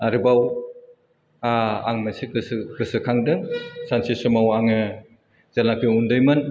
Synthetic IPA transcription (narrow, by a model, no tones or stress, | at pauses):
aɾɯbaw | aa̰ŋmasikɯskɯsɯkʰaŋdɯŋsansisɯmawaŋɯ | zalakʰɯjundɔjmɯn